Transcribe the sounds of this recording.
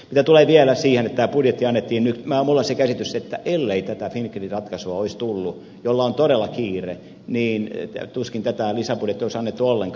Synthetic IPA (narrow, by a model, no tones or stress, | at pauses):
mit̪æt̪uleːʋiælæsiːhenet̪t̪ːæːpudjet̪ːiɑnːet̪ːiːnnykmæmulːɑsekæsit̪yset̪ːæʔelːeit̪æt̪æfinkːerirɑt̪kɑsuɑoist̪ulːu | jolːɑont̪oɾelːɑkiːre | niːnt̪uskint̪æt̪ælisæpudjet̪ːioisɑnːet̪ːuolːeŋk